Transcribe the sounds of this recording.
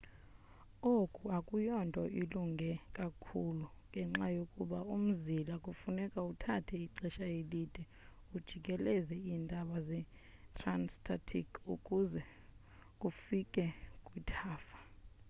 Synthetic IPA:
okʼuakʼujɔntʼɔʔiluŋɡʱɛkʼakʰuluŋʱɛŋ͡ǁajokʼuɓaum̩zilakʼufunɛkʼautʰatʰɛiǃɛʃajelid̥ʱʼɛ | ud̥ʒ̥ʱikʼɛlɛzɛindʱaɓazɛ | tʰʼranstʰʼatʰḭkʰukʼuzɛ | kʼufikʼɛkʼwitʰaːfḁ

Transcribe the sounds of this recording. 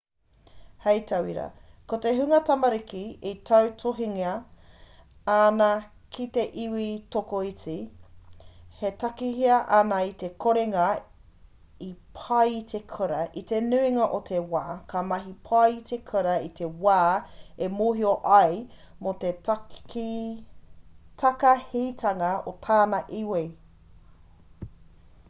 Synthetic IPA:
hɐjt̪ʰɐwiɾɐ̰ | kot̪eɦʉŋɐtɐmɐɾikiitʰɐwtʰoɦiŋiɐ | anɐ | kʰit̪eʔiwit̪okoit͡si | hetɐkiɦiɐʔɐnɐit̪ekʰoɾeŋɐ | ipʰɐjt̪ʰekʰəɾɐʔit̪enʉiŋɐʔot̪ʰewaːkʰɐmɐɦipʰɐjt̪ʰekʰəɾɐit̪ʰewaːemoːɦioʔɐj | mot̪eti | tʰɐkɐhit̪ʰɐŋɐot̪ʰaːnɐʔiwej

